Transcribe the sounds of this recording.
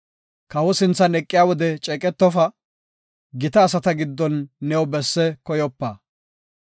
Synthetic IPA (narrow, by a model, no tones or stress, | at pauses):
kɐwɔsɪnt͡sːɐnɛkʼːɪjaːwɔd̪ɛt͡ʃʼɛkʼɛt̪ːɔfɐ | ɡɪt̪ɐːsɐt̪ɐɡɪd̪ːɔnːɛwɔbɛsːɛkɔjɔpːɐ